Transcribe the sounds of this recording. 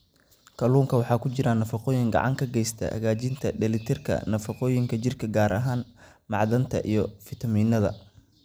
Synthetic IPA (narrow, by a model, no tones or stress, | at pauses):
kʰɐluːŋkʰɐwɑħɑːkʰʊt͡ʃɪɾɐnɐfɑqɔːjɪŋɡɑ̰ʕɑ̰ŋkʰɐɡɛjst̪ʰɐ̰hɐ̰ɣaːt͡ʃɪnt̪ʰɐ̰ɖɛlɪt̪ʰɪrkʰɐ̰nɐfɑqɔːjɪŋkʰɐt͡ʃɪrkʰɐɡaːɾɐɦaːn | mɑʕðɐnt̪ʰɐ̰ʔijɞfɪt̪ʰɐmiːnɐðɐ̰